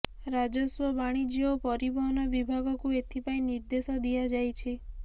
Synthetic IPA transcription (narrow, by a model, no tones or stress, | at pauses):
ɾad͡ʒɔswɔbaɽ̃id͡ʒiopɔɾibɔɦnɔʋibʱaɡɔkuet̪ʰipaj̃niɾd̪esɔd̪iad͡ʒajt͡ʃʰe